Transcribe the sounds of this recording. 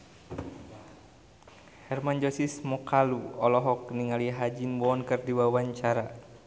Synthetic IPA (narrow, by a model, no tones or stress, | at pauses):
hɛrmand͡ʒɔsismɔkaluɔlɔɦɔk̚niŋaliɦad͡ʒinwɔːnkɨrdiwawaɲt͡ʃaɾa